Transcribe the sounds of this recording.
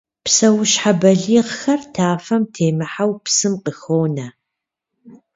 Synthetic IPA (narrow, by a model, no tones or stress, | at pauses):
psɐwʊɕħabɐɮiːʁxɐrtʰaːfɐmtʰeːmɨħawpsɨmqəxoːnɐ